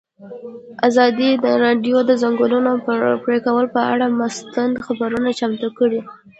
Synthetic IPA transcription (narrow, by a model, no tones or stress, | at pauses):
azɑd̪id̪əɾɑɖjod̪əzaŋɡulunopəɾpɾekawəlpəa̰ɽamast̪and̪xabaɾunat͡ʃamt̪ukəɽi